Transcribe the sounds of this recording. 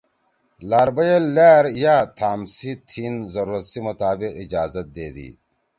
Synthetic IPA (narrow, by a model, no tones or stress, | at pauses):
laːɾbɐjelːaːɾjaːt̪ʰaːmsit̪ʰinzɐɾuːɾɐt̪simɐt̪aːbiqid͡ʑaːzɐt̪̚d̪eːd̪ḭ